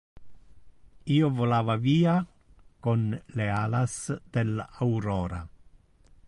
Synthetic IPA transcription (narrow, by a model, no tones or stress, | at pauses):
iːovolaːvaviːa | konlealasd̪elawɾoːɾa̰